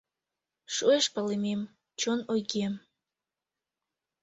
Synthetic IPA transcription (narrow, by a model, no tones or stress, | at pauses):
ʃueʃpəlemem | t͡ɕonojɣem